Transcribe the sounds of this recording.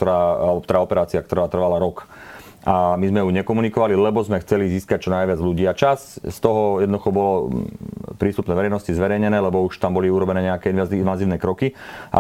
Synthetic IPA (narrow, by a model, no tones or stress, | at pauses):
ɔɾaːɔk̚t̪ɔɾaːɔpɛɾaːt͡siak̚t̪r̩ɾʋaːt̪r̩ʋalaɾɔk | amizmɛuɲɛkɔmunikɔʋalilɛbɔzmɛxt͡sɛliziːskac̚t͡ʃɔnajʋɪad͡zʎuɟiːat͡ʃasst̪ɔɦɔjɛd̪nɔd̪uxɔbɔlɔ | pɾiːst̪upnɛːʋɛɾɛjnɔscizʋɛɾɛjɲɛnɛːlɛbɔuʃt̪ambɔliuɾɔbɛnɛːɲɛakɛinʋainʋaziːʊnɛkɾɔkiʔa̰